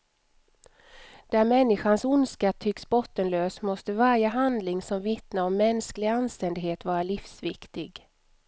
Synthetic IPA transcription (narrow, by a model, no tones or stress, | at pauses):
d̪̥æɾmɛnːɪɧansʊnskat̪ʰːʏksbɔt̪ːənløːsmɔst̪əvaɾjəɦand̪lɪŋsɔmvɪt̪naɔmːɛnsklɪɡanst̪ɛnd̪ɪɡɦheːt̪vɑːɾalifsvɪkt̪ɪɡ